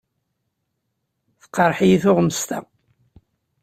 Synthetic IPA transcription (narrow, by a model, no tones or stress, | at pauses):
θə̥qːəɾˤħijiθʊʁməst̪æ